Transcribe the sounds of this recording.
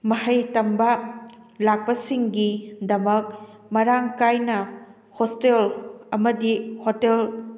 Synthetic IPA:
mɐhɐjtɐmbɐlak̚pɐsiŋɡidɐmɐk̚ | mɐɾaŋkajnɐ | hostelɐmɐdihotel

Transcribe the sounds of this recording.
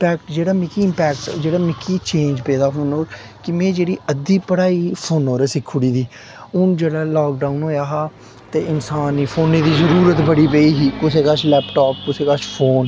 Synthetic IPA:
pɛːkʈd͡ʒeːɽaːmɪkiɪmpɛːkʈd͡ʒeːɽaːmɪkʰːiːt͡ʃẽːnd͡ʒpɛːd̪aːɦoːnoːɾ | kɪmɛ̃ːd͡ʒeːɽiːəd̪iːpəɽaːiːpʰoːnɦoːɾeːsɪkʰːuɽiːd̪iː | ʊnd͡ʒeːɽaːlaːkɖaːunɦoːjaːɦaː | t̪eːɪnsaːniːpʰoːniːd̪iːzəɾuːɾət̪bəɽiːp̬eiːɦiːkʊseːkat͡ʃlɛːpʈɔːp̚kʊseːkat͡ʃpʰoːn

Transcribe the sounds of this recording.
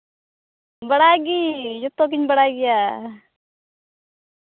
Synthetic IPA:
bɐɽaɡijut̪ok̬iɲbɐɽaɡija

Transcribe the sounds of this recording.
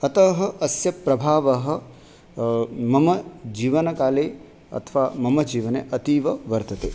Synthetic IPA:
ɐt̪ɐɦɐ̆ʔɐsjɐpɾɐbʱaːʋɐɦɐ̆ | mɐmɐd͡ʒiːʋɐnɐkaːleː | ɐ̰t̪ʰʋaːmɐmɐd͡ʒiːʋɐneʔɐt̪iːʋɐʋɐɾt̪ɐt̪eː

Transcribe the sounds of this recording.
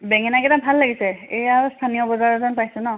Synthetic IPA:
bɛŋɛnakɛtabʱalːaɡisɛejaɹstʰanijɔbɔzaɹɔzɔnpajsʊnɔ

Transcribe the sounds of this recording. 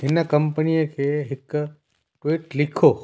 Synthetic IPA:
ɪnəkəmpəniokʰeɦɪkː | ʈʋiʈlɪkʰo

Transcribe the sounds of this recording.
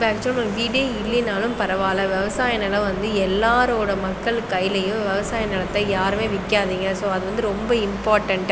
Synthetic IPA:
pɐːkt͡ʃːɪnoɖiːɖiːɪɭːɪnaːlɯmpɐɾɐʋaːlɐʋɛʋɐsaːjɐnɪlɐ̃ʋɐnd̪ɯɛlːaːɾoːɽɐmɐkːɐɭkːɐɪlɐjɯ̃mʋɛʋɐsaːjɐnɪɭɐt̪ːɐjaːɾɯmeːʋɪkːaːðiːŋɡɐsoːɐðɯʋɐnd̪ɯɾɔmbɐɪmpaːʈɐɳʈ

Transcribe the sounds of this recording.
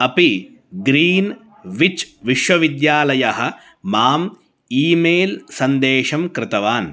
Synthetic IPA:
ɐpi | ɡɾiːn | ʋit͡ʃʋiʃʋɐʋid̪jaːlɐjɐɦɐ̆ | maːm | iːmeːlsɐnd̪eːʃɐmkɾɪt̪ɐʋaːn

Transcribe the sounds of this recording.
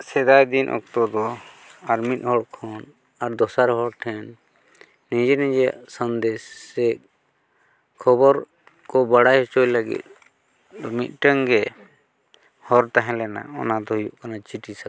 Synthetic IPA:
sɛd̪ajd̪inʔɔ̰k̚t̪ɔd̪ɔaɾmit̪̚ˀhɔɽkʰɔn | aɾd̪ɔsaɾhɔɽʈʰɛnː | ɛd͡ʒɛnɛd͡ʒa̰ʔsənd̪ɛsɛk̚ | kʰɔbɔɾ | kɔbaɽajhɔt͡ʃɔjləɡḭt̪̚ | mit̪̚ˀʈəŋɡɛ | hɔɾt̪aɦɛ̃lɛna̰ɔnad̪ɔhujuʔkanat͡ʃiʈisa

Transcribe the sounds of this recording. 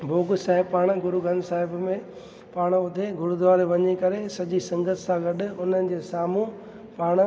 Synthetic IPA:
bʱoːɡsaːɦɪbpaːɽ̃ɡʊɾuɡɐ̃nd̪saːɦɪbmẽ | paːɽ̃ʊd̪ʱeɡʊɾud̪ʱʊʋaːɾeʋɐɲekɐɾesɐʄisɐ̃ŋɡət̪ʰsãɡɐɗʊ̆ʊnənɪ̆d͡ʑeːsaːmu | paːɽ̃

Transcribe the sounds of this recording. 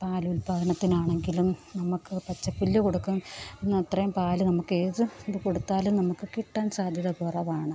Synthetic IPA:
paːlulbʱɐɣɐɳɐt̪ːinaːɳe̞ŋɡilumnɐmukːɨpɐt͡ɕːɐpːilːuko̞ɽukːumenːɨɐt̪rɐjumpaːlɨnɐmukːe̞ːðɨðɨko̞ɽut̪ːaːlumnɐmukːɨkiʈːaːnsaːd̪ʱjɐðɐkurɐʋaːɳɨ

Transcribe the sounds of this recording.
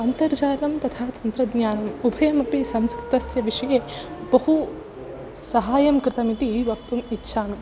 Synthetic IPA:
ɐnt̪ɐɾd͡ʒaːlɐmt̪ɐt̪ʰaːt̪ɐnt̪ɾɐd̪nɲjaːnɐmubʱɐjɐmɐpisɐmskɾɪ̥t̪ɐsjɐʋiʂɐjeːbɐɦu | sɐɦaːjɐmkɾɪt̪ɐmit̪iiʋɐkt̪umitːʃʰaːnɐ

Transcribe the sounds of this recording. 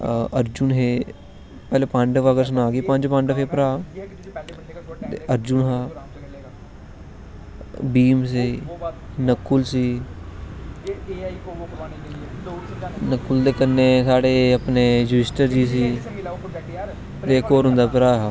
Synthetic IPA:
əɾd͡ʒʊnɦeː | pɛːleːpə̃ɳɖʋəɡəɾs̬ənaːɡiːpə̃ɲd͡ʒpə̃ɳɖpʰeːpɾaː | əɾd͡ʒʊnɦaː | biːmsiː | nəkːʊlsiː | nəkːʊld̪eːkənːeːsaːɽeːəpneːd͡ʒuɪsʈəɾd͡ʒiːs̬iː | t̪eːkoːɾɦʊ̃nd̪aːpəɾaːɦaː

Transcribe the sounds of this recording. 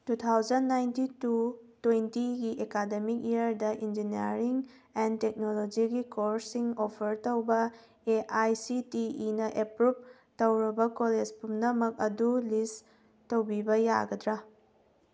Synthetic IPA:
tut̪ʰawd͡ʒɐnːajntitutwejntiɡiʔekademik̚ijɐɾdɐʔind͡ʒiniɐɾiŋ | entek̚nolod͡ʒiɡikoɾsiŋopʰɐɾtɐwbɐ | eʔajsitiinɐʔepɾup̚ | tɐwɾɐbɐkoled͡ʒpumnɐmɐk̚ɐdulis | tɐwbibɐja̰ɡɐdɾa

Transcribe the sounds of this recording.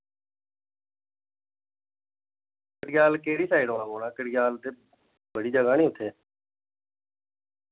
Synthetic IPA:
kəɽɪɡjaːlkeːɽiːsaːiɖɦoːnaːboːɽaːkəɽɡjaːlt̪eː | bəɽiːd͡ʒəɡãːñiːʊt̪ʰːeː

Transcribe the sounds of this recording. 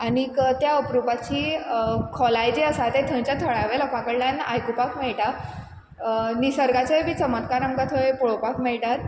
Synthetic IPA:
aɽ̃ikət̪jaəpɾupat͡ɕiːkʰɔlajd͡ʑeəsat̪et̪ʰə̃j̃t͡ɕjat̪ʰəɭaʋeləpãkəɽljana̰jkupakmeɭʈa | nisəɾɡat͡ɕəjbiːt͡səmət̪kaɾamkat̪ʰəjpɔɭopakmeɭʈaɾ

